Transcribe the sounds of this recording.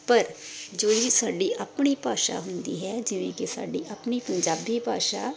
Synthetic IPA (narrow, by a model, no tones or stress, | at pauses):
pəɾd͡ʒoːiːsaːɖiːʔəpɳ̃iːpaːʃa̰ːɦʊnd̪ḭːɦɛːd͡ʒɪʋẽːkɪsa̰ːɖiːʔəpɳiːpəɲd͡ʒaːbiːpaːʃaː